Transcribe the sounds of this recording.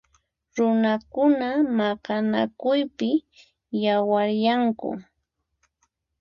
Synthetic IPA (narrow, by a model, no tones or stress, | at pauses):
ɾʊnakʊnamakana̰kʊjpɪ | jawaɾjaŋkʊ̰